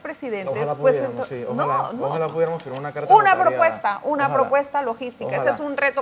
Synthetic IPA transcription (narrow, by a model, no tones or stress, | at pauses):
pɾesiðent̪eswesenonolapuðjeɾamosfiɾmaɾunakaɾunapɾopwe̞st̪aʔunapɾopwe̞st̪alo̞xist̪ikaesesunret̪o